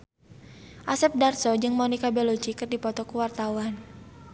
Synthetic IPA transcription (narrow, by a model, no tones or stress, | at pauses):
ʔasɛp̚darsɔd͡ʒɨŋmɔnikabɛlot͡ʃikɨrdipɔt̪ɔkuwart̪awan